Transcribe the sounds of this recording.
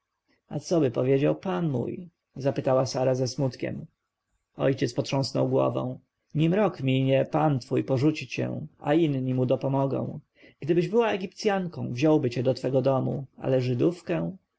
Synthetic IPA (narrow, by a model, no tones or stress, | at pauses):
a̰t̪sɔbɘpɔvʲjed͡ʑawpanmṵj | zapɘt̪awasaɾazɛsmut̪kʲɛ̰m | ɔ̰jt͡ɕɛt̪spɔtʂɔ̃w̃snɔ̰wɡwɔ̰vɛ̰̃w̃ | ɲimɾɔkmʲiɲɛpant̪fujpɔʐut͡ɕit͡ɕɛ̰̃a̰inɲimud̪ɔpɔmɔɡɔ̰̃w̃ | ɡ̥d̪ɘbɘʑbɘwaɛɡʲipt̪sʲjaŋkɔ̰̃w̃vʑɔwbɘt͡ɕɛd̪ɔt̪fɛɡɔd̪ɔmṵa̰lɛʐɘd̪ufkɛ̃